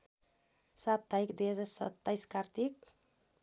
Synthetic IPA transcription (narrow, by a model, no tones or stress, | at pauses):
sap̚d̪ʱaikd̪ujɦʌd͡zarsʌ̰t̪ːajskart̪ik̚